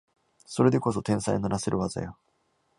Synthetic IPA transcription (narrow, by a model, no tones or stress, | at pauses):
so̞ɾe̞d̪e̞ko̞so̞t̪ẽ̞ɰ̃saijnaɾaseɾɯ̟βaza̰jo